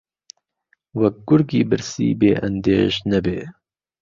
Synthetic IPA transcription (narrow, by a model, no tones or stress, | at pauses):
wɐk̚ɡʊɾɡiːbɨɾsḭːbeːʔɐ̰nd̪ḛːʃnɐbeː